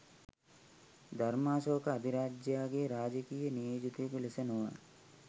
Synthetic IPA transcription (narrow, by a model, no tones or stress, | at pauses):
d̪ʱɐɾmaːsoːkaːd̪ʱiɾaːd͡ʒjaːɡeɾaːd͡ʒəkiːjənijoːd͡ʒut̪ikulɪsɐnoʋa